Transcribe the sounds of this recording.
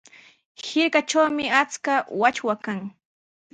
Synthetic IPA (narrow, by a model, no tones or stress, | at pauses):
hɪɾkat͡ʃawmɪat͡skawat͡ʃwakaŋ